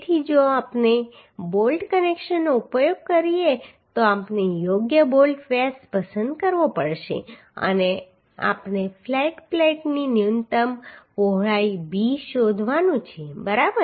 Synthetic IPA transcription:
t̪ʰid͡ʒoapne | bolʈkənekʃənːoupəjoɡ̚kəɾije | t̪oapnejoɡjəbolʈfespəsənd̪kəɾʋopəɽʃḛ | ə̰ne | a̰pnefʰlaiʈflaiʈninjunt̪əmʋoɦɭaibiʃod̪ʱʋanũt͡ʃʰebəɾabə

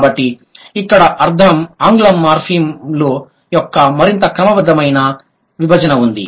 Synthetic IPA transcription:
bɐʈːi | ikːɐɽɐʔɐɾd̪ʰʱɐmaːŋɡulɐmːaːɾpʰiːmloː | jɔkːɐmɐɾint̪ɐkɾɐmɐbɐd̪ːɐmɐjnɐ | ʋibʱɐd͡ʒɐnɐund̪ḭ

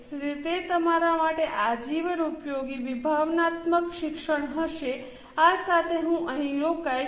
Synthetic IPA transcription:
ɾit̪et̪əmaɾamaʈeʔad͡ʒiʋəɾupjoɡiʋibʱaʋnat̪məkʃɪkʃəɽ̃ɦəʃe | asat̪ʰeɦũʔəɦĩɾokaj

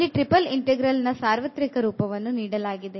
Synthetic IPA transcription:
lːiʈɾipɐliɳʈeɡɾɐlnɐsaːɾʋɐt̪ɾikɐɾuːpɐʋɐnːuniːɽɐlaːɡid̪e

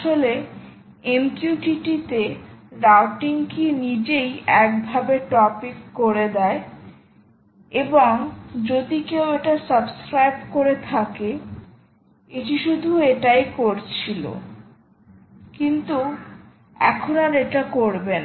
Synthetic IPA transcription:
ʃole | emtuʈiʈit̪eɾawʈiŋkinid͡ʑejɛk̚bʱabeʈɔpikːoɾed̪ɛe | eboŋd͡ʑod̪ikeweʈasabskɾajbkoɾet̪ʰake | iʈiʃud̪ʱueʈajkoɾt͡ɕʰilo̰ | kint̪u | ɛ̰kʰonaɾeʈakoɾben

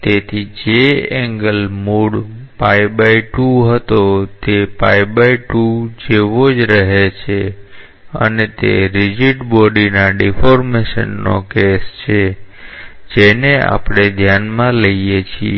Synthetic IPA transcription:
t̪et̪ʰid͡ʒeɛŋɡəlmuɽpajbaiʈuɦət̪ot̪epajbaiʈud͡ʒeʋod͡ʒɾəɦet͡ʃʰe | ə̰net̪ḛɾɪd͡ʒiʈbɔɖinaɖɛfʰoɾmeʃə̰nːo̰kest͡ʃʰe | d͡ʒenea̰pɽ̃ed̪ʱjanmãləijet͡ʃʰi

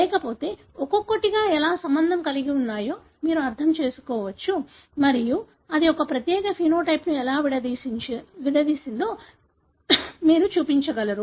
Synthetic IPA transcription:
lɛːkɐpo̞ːt̪e̞ː | ɔkokːoʈːiɡaːɛlaːsɐmbɐnd̪ʱɐmkɐliɡiunːaːjoː | miːɾuɐɾt̪ʰɐmt͡ʃe̞ːsu̥kɔːʋɐt͡ʃːu | mɐɾiju | ɐd̪iɔkɐpɾɐt̪jɛːkɐpʰiːnoːʈɐjpnuɛlaːʋiɽɐd̪isiʋid̪ɐd̪iːsind̪oː | miːɾut͡ʃuːpiɲt͡ʃɐɡɐlɐɾu

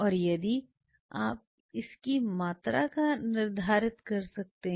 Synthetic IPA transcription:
ɔːɾjɐd̪i | a̰ːp̚ | ɪskimaːt̪ɾakanɪɾd̪ʱaːɾɪt̪kɐɾsɐk̚t̪eɦ

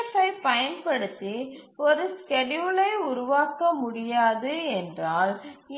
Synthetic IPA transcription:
fɐɪpɐjɐnpɐɽɯt̪ːiɔɾɯskɛɖuːlɐɪʊɾʊʋaːkɐmʊɽɪjaːðɯɛndraːl

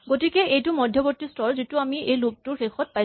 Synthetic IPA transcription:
ɡotikɛejtʊmɔdʱjɔbotːistɔɹzituamiejlʊk̚tʊɹxexɔt̚paj

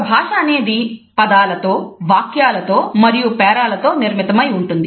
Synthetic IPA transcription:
bʱaːʂɐːne̞ːd̪ipɐd̪aːlɐt̪oːʋaːkjaːlɐt̪o̞ːmɐɾijupɛːɾaːlɐt̪o̞ːniɾmit̪ɐmɐjuɳʈund̪i

